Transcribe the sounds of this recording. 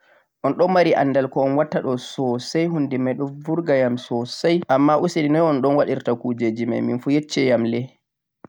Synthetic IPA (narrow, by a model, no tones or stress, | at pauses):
ʔɔnɗɔmːaɾiʔa̰nːdalkɔːnwatːaɗɔsɔsajɦundimajɗɔnvuɾɡajamsɔsajʔamːaʔusiɗinɔjɔnɗɔnwaɗiɾtakuːd͡ʒed͡ʒima̰jminfujet͡ʃːɛjamlɛ